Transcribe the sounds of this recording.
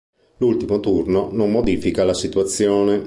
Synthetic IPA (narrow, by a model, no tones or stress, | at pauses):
lult̪imot̪urnonomːod̪iːfikalasit̪wat̪sːjoːne